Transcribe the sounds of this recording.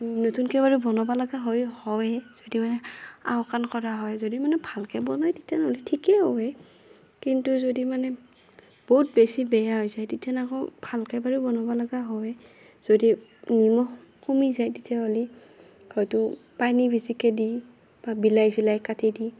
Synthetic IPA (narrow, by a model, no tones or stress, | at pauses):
notunkɛbaɹubɔnɔbalaɡaɦɔjhɔwɛz̥odimanɛa̰wkankɔɹaɦɔjzodimanɛbʱalkɛbɔnɔjtitʰjanolitʰikɛɦɔwɛ | kintuzodimanɛ | b̥oɦut̚besibɛjaɦɔjzajtitʰjanakɔbʱalkɛbaɹubɔnɔbalaɡaɦɔwɛ | z̥odinimɔh | kumizajtitʰjaɦoli | hɔjtʊpanibʱisikɛdi | b̥abilajsilajkatʰidi